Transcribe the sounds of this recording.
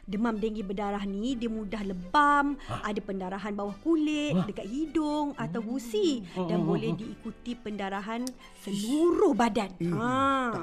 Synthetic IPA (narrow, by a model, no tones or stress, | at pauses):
dəmamdeŋɡibədaɾaɦnĩdiəmũdahləbamʔadapəndaɾaɦanbawahkulɪʔdəkat̪̚hidʊŋat̪awɡusidanbolɛhdiːkut̪ipəndaɾaɦan | səluɾʊhbadana